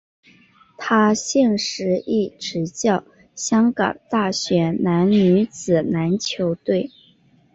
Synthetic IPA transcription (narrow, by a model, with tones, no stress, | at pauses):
t̪ʰa˥ɕjɛ˥˩nʂɻ̩˧˥i˥˩ʈ͡ʂɻ̩˧˥t͡ɕjɑ˥˩ʊ | ɕjɑ˥ŋkɑ̰˨˩ŋt̪a˥˩ɕɥɛ˧˥na˧˥nny˧˥t͡sɹ̩˨˩na˧˥nt͡ɕʰjo˧˥ʊt̪we˥˩ɪ